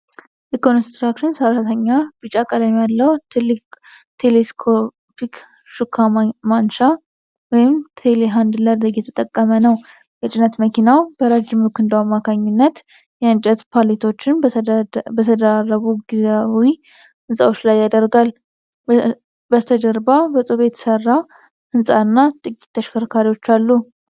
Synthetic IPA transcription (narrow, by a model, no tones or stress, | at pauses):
ʔikonst̪ɾakʃɪnsəɾat̪ʰəɲːab̥ɨt͡ʃʼakʼəd̪amjalːəwt̪ʰɨlːk | t̪ʰeleskʰo | pʰik | ʃukʰːamanʃa | wɔjɪmt̪ʰeleɦand̪ləɾd̪əɡjɛt̪ʰət̪ʼəkʼːəmənəw | jɛt͡ʃʼɪnət̪məkʰinawbəɾad͡ʒɪmukʰɨnd̪əwamːakʰaɲːunːət̪ | jɛɨnt͡ʃʼɛt̪pʰalet̪ʰo̞t͡ʃːɪn | bət̪ʰəd̪əɾarːəβuɡizawi | hɨnsʼawo̞t͡ʃːlajːad̪əɾɡal | bət̪ʰəd͡ʒəɾbabəsʼoβet̪sərːa | hɨnsʼaɨnːat̪ʼɨkʼi̥t̪ʰːəʃkʰəɾkʰaɾiwo̞t͡ʃːalːu